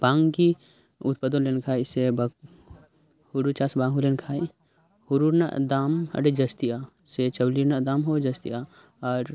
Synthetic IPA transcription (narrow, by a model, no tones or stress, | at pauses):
b̥ãːŋɡki | ʊt̪̚pəd̪onlenkʰaːsebɐ | huɾut͡ʃaːsbãːŋɦulenkʰaːi | huɾuɾna̰ʔd̪aːmɐ̰ɽed͡ʒɐst̪ia | set͡ʃɐwlinad̪aːmɦod͡ʒɐst̪ḭa | aɾ